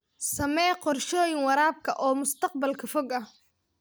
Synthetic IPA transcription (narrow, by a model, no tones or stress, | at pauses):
sɐmɛːqɔrʃɔːjɪŋwɑɾaːb̚kʰɐʔɔːmʊst̪ʰɑq̚bɐlkʰɐfɔɡɐh